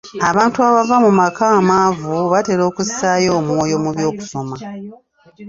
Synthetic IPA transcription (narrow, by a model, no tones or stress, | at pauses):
aβaːntuaβavamumakaːmaːvuβate̞ɾo̞ːkusisajo̞ːmwoːjo̞muβjo̞ːku̥so̞ma